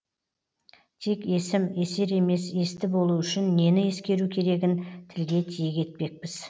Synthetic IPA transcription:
t̪ʰe̞ke̞sɪme̞se̞ɾe̞me̞se̞st̪ɪbo̞lˠuʏʃɪnːe̞nɪje̞skʲe̞ɾukʲʰe̞ɾe̞ɡʲɪnt̪ʰɪlɡʲe̞t̪ʰijeɡʲe̞t̪̚pe̞k̚pɪz

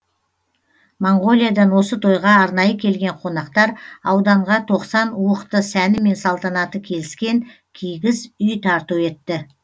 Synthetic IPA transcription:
moɴɡo̞lʲˠijad̪ɑnwo̞sət̪ʰo̞jʁɑɑɾnɑjəkʲʰe̞lɡʲe̞ɴqʰo̞nɑqt̪ɑɾɑwd̪ɑɴʁɑt̪ʰo̞qsɑnuəqt̪əsænɪme̞nsɑlˠt̪ɑnɑt̪əkʲʰe̞lɪskʲe̞ŋ | kʲʰijɡʲɪzʏjt̪ʰɑɾt̪ue̞t̪ːɪ

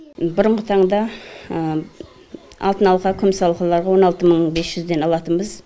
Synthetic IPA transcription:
bʊɾəɴʁət̪ʰɑɴd̪ɑ | ɑ̰lˠt̪ənɑlˠqɑkʲʰʏmsɑlˠəqɑlˠɑɾʁɑwo̞nɑlˠt̪əməɴbe̞sʒʏzd̪e̞nɑlˠɑt̪ənbəz

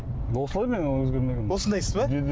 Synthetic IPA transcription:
d̪osəlˠɑɾmenɪwɵzɡʲeɾmeɡʲenwosənd̪ɑjsəzbɑ

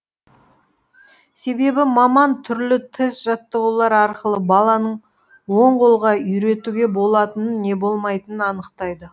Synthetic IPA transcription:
se̞be̞bɪmɑmɑnt̪ʰʏɾlɪt̪ʰɪsʒɑt̪ːəʁulˠɑɾɑɾqəlˠəbɑlˠɑnəɴ | woɴqʰolˠʁɑʏjɾe̞t̪uɡʲe̞bo̞lˠɑt̪ənənːe̞bo̞lˠmɑjt̪ənənɑnəqt̪ɑjd̪ə

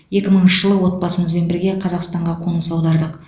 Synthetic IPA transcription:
je̞kʲɪməɴɪnʃəʒəlˠəwo̞t̪̚bɑsəməzbe̞nbɪɾɡʲe̞qʰɑzɑqst̪ɑɴʁɑqʰo̞ɴəlˠsɑwd̪ɑɾd̪əq

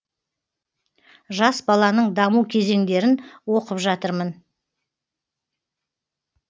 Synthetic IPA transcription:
ʒɑsbɑlˠɑnəɴd̪ɑmuwkʲʰe̞ze̞ŋd̪e̞ɾɪnwo̞qəpʒɑt̪əɾmən

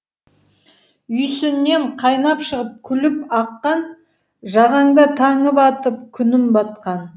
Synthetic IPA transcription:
ʏjsɪnːe̞ɴqʰɑjnɑpʃəʁəp̚kʲʰʏlɪpɑqːɑn | ʒɑʁɑŋd̪ɑt̪ʰɑɴəpɑt̪əp̚kʲʰʏnɪmbɑt̪̚qɑn

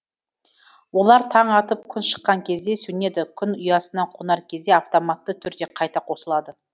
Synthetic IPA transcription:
wo̞lˠɑɾt̪ʰɑɴɑt̪əp̚kʲʰʏnʃə̥qːɑŋkʲʰe̞zd̪e̞sɵne̞d̪ɪkʲʰʏnʊjɑsənɑqʰonɑɾkʲʰe̞zd̪e̞aft̪o̞mat̪ːət̪ʰʏɾd̪e̞qʰɑjt̪ɑqʰosəlˠɑd̪ə

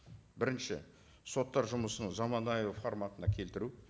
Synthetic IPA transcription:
bɪɾɪnʃɪ̰ | so̞t̪ːɑɾʒʊməsənəzɑmɑnɑjofoɾmɑt̪ənɑkʲʰe̞lt̪ɪɾu

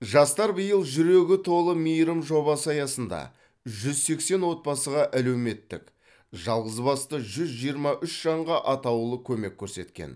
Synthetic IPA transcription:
ʒɑst̪ɑɾbəjəlˠʒʏɾe̞ɡʲɪt̪ʰo̞lˠəmijɾəmʒo̞bɑsɑjɑsənd̪ɑ̰ | ʒʏzse̞kse̞nwo̞t̪̚bɑsəʁɑʔælewme̞t̪ːɪk | ʒɑlˠʁəzbɑst̪əʒʏzʒijəɾmɑʔʏʃʒ̥ɑɴʁɑʔɑt̪ɑwlˠəkʲʰɵme̞kʲʰːɵɾse̞t̪kʲḛn

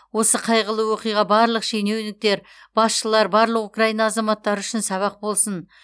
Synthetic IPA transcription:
wo̞səqʰɑjʁəlˠəwo̞qijʁɑbɑɾlˠəqʃejnewnɪk̚t̪e̞ɾ | b̥ɑsʃəlˠɑɾbɑɾlˠəqukrajinɑːzɑmɑt̪ːɑɾʏʃɪnsɑβɑq̚bo̞lˠsən

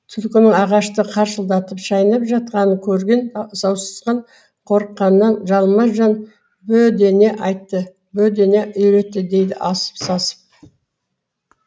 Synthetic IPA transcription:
t̪ʰʏlkʲɪnɪŋɑʁɑʃt̪əqʰɑɾʃəlˠd̪ɑt̪əpʒɑjnɑpʒɑt̪̚qɑnəkʲʰɵɾɡʲe̞nsɑwsə̥zqɑɴ | qʰo̞ɾəqːɑnːɑnʒɑlˠmɑʒɑn | bɵd̪e̞ne̞ʔɑjt̪ːə | bɵd̪e̞ne̞ʔɵjɾe̞t̪ːɪd̪e̞jd̪ɪ̰ʔɑsə̥psɑsə̥p̚

